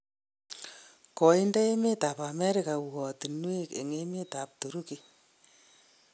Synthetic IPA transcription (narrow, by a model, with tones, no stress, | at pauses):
kɔ˨i˦nda˦e˦me˦ta˨pa˨mɛ˦ɾɪ˦ka˨wɔ˨ti˨nwe˦kḛ˨ŋe˦me˦ta˨p̚tu˨ɾu˦ki˨